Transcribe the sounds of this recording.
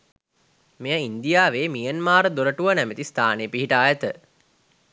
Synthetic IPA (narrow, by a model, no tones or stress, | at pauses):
mejəind̪ijaːʋeːmijənmaːɾəd̪oɾəʈuʋənæmet̪ist̪ʰaːnejəpiɦiʈaːjət̪ə